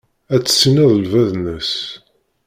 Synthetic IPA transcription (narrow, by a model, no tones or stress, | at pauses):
æt͡sːə̥sːiniðˤəlvæðnəs